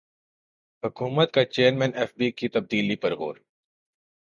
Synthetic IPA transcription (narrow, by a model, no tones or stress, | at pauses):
ɦʊkuːmət̪̚kat͡ʃeːəɾmɛ̃ːneːfbiːkit̪ɐb̚d̪iːlipɐɾɦo̰ːɾ